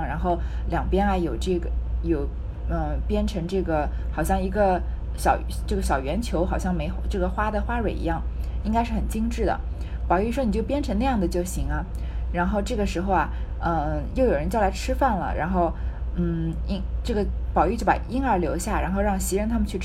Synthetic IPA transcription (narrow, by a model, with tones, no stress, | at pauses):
ŋɻa˧˥nxo˥˩ʊ | ljɑ˨˩ŋpjɛ˥nɐ˧jo˨˩ʊʈ͡ʂɤ˥˩ɡə˩jo˨˧˩ʊ | ə˧pjɛ˥nʈ͡ʂʰɤ˧˥ŋʈ͡ʂɤ˥˩ɡə˩ | xɑ˨˩ʊɕjɑ˥˩ŋi˧˥ɡə˧ | ɕɑ˨˩ʊʈ͡ʂɤ˥˩ɡə˩ɕjɑ˨˩ʊɥɛ˧˥nt͡ɕʰjo˧˥ʊxɑ˨˩ʊɕjɑ˥˩ŋme˧˥ɪxʈ͡ʂɤ˥˩ɡə˩xwa˥d̪ə˨xwa˥ɻwe˨˩ɪḭ˧˥jɑ˥˩ŋi˥ŋka˥ɪʂɻ̩˥˩xə˨˩nt͡ɕi˥ŋʈ͡ʂɻ̩˥˩d̪ə̰˩ | pɑ˨˩ʊy˥˩ʂwɔ˥n˨˩t͡ɕjo˥˩ʊpjɛ˥nʈ͡ʂʰɤ˧˥ŋna˥˧jɑ˥˩ŋd̪ə˩t͡ɕjo˥˩ʊɕi˧˥ŋɐ˧ | ɻa˧˥nxo˥˧ʊʈ͡ʂɤ˥˩ɡə˩ʂɻ̩˧˥xo˧ʊɐ˩ | ə˧jo˥˩ʊjo˨˩ɻə˧˥nt͡ɕjɑ˥˩la˧˥ɪʈ͡ʂʰɻ̩˥fa˥˩nlə̰˩ɻa˧˥nxo˥˧ʊn̩˥˩i˥ŋʈ͡ʂɤ˥˩ɡə˩ | pɑ˨˩ʊy˥˧t͡ɕjo˥˩pa̰˨˩i˥ŋə˞˧˥ljo˧˥ʊɕja˥˩ɻa̰˧˥nxo˥˧ʊɻɑ˥˩ŋɕi˧˥ɻə˧˥nt̪ʰa˥mə˨nt͡ɕʰy˥˩ʈ͡ʂ